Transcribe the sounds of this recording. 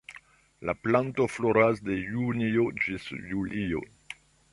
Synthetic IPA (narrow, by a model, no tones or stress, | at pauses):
laplantofloɾasde̞juniod͡ʒisjulʔio̰